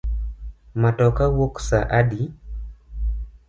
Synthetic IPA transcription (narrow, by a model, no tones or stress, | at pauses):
matɔkawoksaʔadi